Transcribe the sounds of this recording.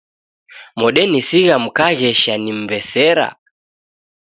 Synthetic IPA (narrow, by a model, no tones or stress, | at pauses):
mɔɗɛnisiɣam̩kaɣɛʃanim̩bɛsɛɾa̰